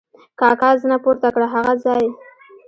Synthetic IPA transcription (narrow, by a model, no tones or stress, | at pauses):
kɑkɑzənapoɾt̪akɽaɦaɣazɑj